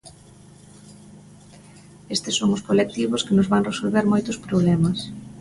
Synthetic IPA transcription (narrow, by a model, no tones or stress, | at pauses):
est̪ɪsːoŋʊskolek̚t̪iβ̞ʊskɪnʊzβaŋresolβeɾmojt̪ʊspɾoβ̞lɛmɐs